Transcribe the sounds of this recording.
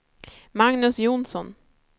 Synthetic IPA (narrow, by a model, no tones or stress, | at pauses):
maŋnɵsjʊnsɔn